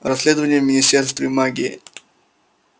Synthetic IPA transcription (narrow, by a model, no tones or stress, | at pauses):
ɾɐsʲlʲed̪əvənʲɪjəmʲɪnʲɪsʲtʲerst̪vʲɪmaɡʲɪ̰